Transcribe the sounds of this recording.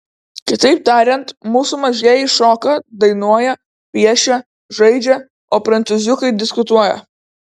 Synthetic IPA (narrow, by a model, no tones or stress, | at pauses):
kʲɪt̪ɐɪp̚t̪ɑːɾʲɛnt̪muːsumɐʒʲiɛjɪʃoːkɐd̪ɐɪnuɔjɛ | pʲiɛʃʲɛ | ʒɐɪd͡ʒʲɛ | oːpɾɐnt̪sʊzʲʊkɐɪd̪ʲɪskʊt̪uɔjɛ̰